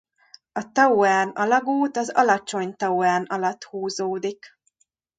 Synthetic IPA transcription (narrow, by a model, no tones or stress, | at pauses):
ɒt̪ɒuaːnɒlɒɡuːt̪ɒzɒ̰lɒt͡ʃo̞ɲt̪ɒuaːnɒlɒt̪huːzoːd̪ik